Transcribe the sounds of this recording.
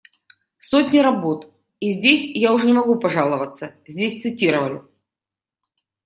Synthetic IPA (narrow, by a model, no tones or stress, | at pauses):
sotʲnʲɪɾɐbo̞t̪ | izʲdʲesʲjaʊʐɛnʲɪmɐɡupɐʐalˠəvət̪sːəzʲdʲesʲt̪sɨtʲiɾəvəlʲɪ̰